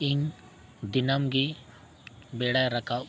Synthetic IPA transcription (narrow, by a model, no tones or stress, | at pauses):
ɪŋ | d̪ɪnamɡe | beːɽajɾɐka